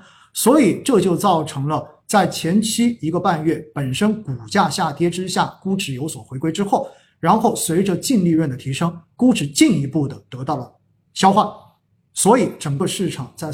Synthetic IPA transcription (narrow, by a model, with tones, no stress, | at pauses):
swɔ˧˥i˨˩ʈ͡ʂɤ˥˧t͡ɕjo˥˧ʊt͡sɑ˥˩ʊʈ͡ʂʰɤ˧˥ŋlə˧ | t͡sa˥˩ɪt͡ɕʰjɛ˧˥nt͡ɕʰi˥i˧˥ɡə˧pa˥˧nɥɛ˥˩pə˨˩nʂə˥nku˨˩t͡ɕja˥˧ɕja˥˩t̪ʰjɛ˥ʈ͡ʂɻ̩˥ɕja˥˩ku˥ʈ͡ʂɻ̩˨˩jo˧˥ʊswɔ˨˩xwe˧˥ɪkwe˥ɪʈ͡ʂɻ̩˥xo˥˩ʊ | ɻa˧˥nxo˥˩ʊswe˧˥ɪʈ͡ʂə˧t͡ɕi˥˧nli˥˧ɻwə˥˩nd̪ə˩t̪ʰi˧˥ʂɤ˥ŋku˥ʈ͡ʂɻ̩˨˩t͡ɕi˥˩ni˧˥pu˥˩d̪ə˩t̪ɤ˧˥t̪ɑ˥˩ʊlə˩ | ɕjɑ˥ʊxwa˥˩ | swɔ˧˥i˨˩˥ʈ͡ʂɤ˨˩ŋɡə˧˦ʂɻ̩˥˩ʈ͡ʂʰɑ˨˩ŋt͡sa˥˩ɪ